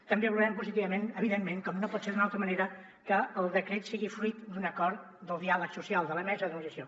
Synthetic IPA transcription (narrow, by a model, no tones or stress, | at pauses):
t̪əmbeβluɾɛmpuzit̪iβəmenəβ̞iðemːẽŋkɔmnopɔt̪seɾðunalˠt̪ɾəməneɾə | kəːlˠd̪əkɾet̪siɣifɾuit̪d̪unəkɔɾt̪ | d̪əlˠd̪ialəksusialˠd̪ələmɛzəðənusiəsio